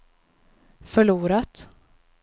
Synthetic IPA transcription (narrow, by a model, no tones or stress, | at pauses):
fœɭuːɾat̪